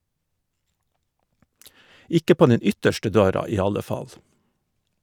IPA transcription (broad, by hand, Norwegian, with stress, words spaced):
ˈɪkə ˈpoː ˈnɛn ˈʏtəʃʈə ˈdøːɾɑ ˈiː ˈɑlə ˈfɑl